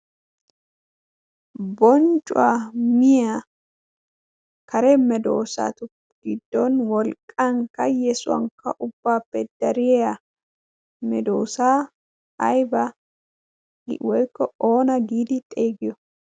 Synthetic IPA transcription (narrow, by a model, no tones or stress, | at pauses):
bɔnt͡ʃʼʊ̰wamɪja | kɐɾɛmɛd̪o̞̰ːsa̰t̪ʊ | ɡ̥ɪd̪ːɔnwɔlkʼːɐŋkːɐjɛsʊwɐ̰ŋkːɐ̰ʔʊbːaːpːɛd̪̥ɐɾɪja | mɛd̪oːsaː | ɐ̰jbɐ | wɔjkːɔoːnɐɡiːd̪ɪt̪ʼe̞ːɡɪjɔ